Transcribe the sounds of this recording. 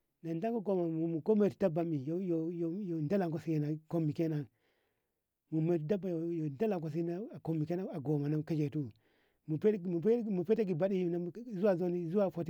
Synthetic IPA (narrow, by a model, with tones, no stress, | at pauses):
na˨nda˦ŋko˦ɡo˨ma˨mu˨mu˨ko˦me˨u̥˨da˦ba˨mi˨jo˦jo˨jo˨jo˨nda˦la˨ŋko˦si˦ji˨na˨ko˦mːi˨ke˦na˨ | mu˨me˨tu˨da˦ba˨jo˨jo˨nda˦la˨ŋko˨s̬i˦na˦˨ko˨mi˨ke˦na˦a˨ɡo˨ma˨na˦˨ka˦d͡ʒe˨tu˦ | mu˨pmu˨pmu˨pe˦ta˦ɡi˨ba˦ɗi˦jo˨na˦˨˦zu˦wa˨zo˦ni˦zu˦wa˦˨fo˨ti˦